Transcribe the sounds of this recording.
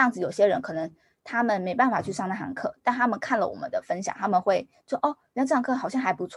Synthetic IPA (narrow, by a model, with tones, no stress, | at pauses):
jɑ˥˩ŋd͡zɹ̩˩jo˨˩ʊɕjɛ˦˥ɻə˧˦nkʰɤ˨˩nə˧˦ŋ | t̪ʰa˥mə˨nme˧˥ɪpa˥˩nfa˨˩t͡ɕʰy˥˧ʂɑ˥˧ŋna˥˩xa̰˧˥ŋkʰɤ̰˥˩t̪a˥˩nt̪ʰa˥mə˨nkʰa˥˩nlə̰˩wɔ̰˨˩mə̰˦nd̪ə˨fə˥nɕjɑ̰˨˦ŋt̪ʰa˥mə˨nxwe˥˩ɪ | wɔ˥ʔɔ˥˩˨n˥˧ʈ͡ʂɑ˧ŋkʰɤ˥˩xɑ˨˩ʊɕjɑ˥˩ŋxa˧˥ɪpu˧˥t͡sʰw